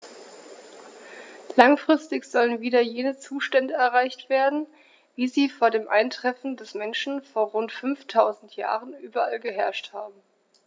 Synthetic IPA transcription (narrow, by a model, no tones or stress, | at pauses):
laŋfʁ̥ɪstɪçz̥ɔlənviːdɐjeːnət͡suːʃtɛndəɛɐʁaɪçtv̥eːɐdn̩ | viːziːfoːɐdeːmʔa̰ɪntʁ̥ɛfn̩dɛsmɛnʃn̩foːɐʁʊntfʏnftʰaʊzn̩tʰja̰ːʁənʔyːbɐʔalɡəɦɛɐʃthaːbm̩